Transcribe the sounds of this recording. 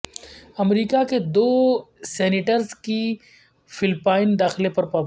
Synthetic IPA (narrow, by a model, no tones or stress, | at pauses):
ɐmɾiːkaked̪oːsɛːnɪʈəɾzki | fɪlpaːɪnd̪aːxɪlepɐɾpa